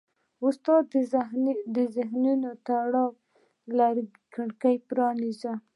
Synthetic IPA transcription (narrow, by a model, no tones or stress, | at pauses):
ʊst̪ɑd̪ | d̪əzɪɦnunot̪aɽɑw | laɾ | kəɽkajpɾɑniza